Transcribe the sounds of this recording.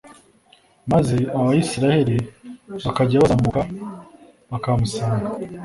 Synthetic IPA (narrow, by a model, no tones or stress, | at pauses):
mazeaβajisiɾahe̞ɾiβakaɟaβaamuka | βakamusaːŋɡa